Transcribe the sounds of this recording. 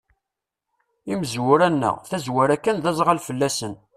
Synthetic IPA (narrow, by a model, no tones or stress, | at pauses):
iməzwʊɾænːə̰ʁθæzwæɾækːænðæzˤʁalfəlːæsən